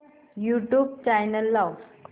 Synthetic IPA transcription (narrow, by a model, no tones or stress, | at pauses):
juʈjuːb̚t͡ɕajnəlːaw